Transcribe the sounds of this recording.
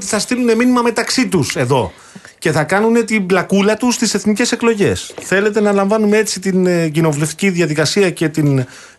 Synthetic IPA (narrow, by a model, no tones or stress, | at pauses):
t̪iθɐst̪ilune̞minimɐme̞t̪ɐksit̪use̞ðo̞̰ | ce̞θɐkɐnune̞t̪iblɐkulɐt̪ust̪ise̞θnice̞se̞klo̞ʝe̞sθe̞le̞t̪e̞nɐlɐɱvɐnumee̞t͡sit̪inɟino̞vule̞ft̪i̥ciðjɐðikɐsiɐce̞t̪in